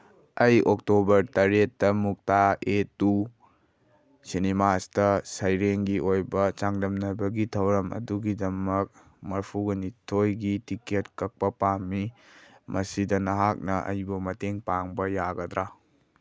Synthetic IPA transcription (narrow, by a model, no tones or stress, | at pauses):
ɐjok̚tobɐɾtɐɾetːɐmuk̚taet̚u | sinimastɐsɐjɾeŋɡiojbɐt͡ʃaŋdɐmnɐbɐɡitʰɐwɾɐmɐ̰duɡidɐmɐk̚ | mɐɾpʰuɡɐnitʰojɡitiketkɐk̚pɐpamːi | mɐsidɐnɐɦak̚nɐʔɐ̰jbɐmɐteŋpaŋbɐjaɡɐd̪ɾa